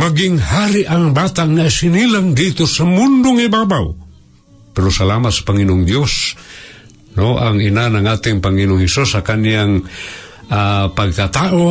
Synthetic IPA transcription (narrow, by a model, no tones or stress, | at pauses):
maɡɪŋhaɾiʔaŋbat̪aŋasinilaŋdit̪usamundʊŋibabaw | pɛɾosalamat̪sḁpaŋinʊŋdjos | noʔaŋinanaŋat̪ɪŋpaŋinʊŋhɛsusakaniaŋ | apaɡ̚t̪at̪aʔo